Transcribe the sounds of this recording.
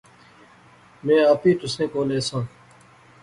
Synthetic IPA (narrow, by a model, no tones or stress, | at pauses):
mẽːaːpiːt̪ʊsẽːkoːleːsõː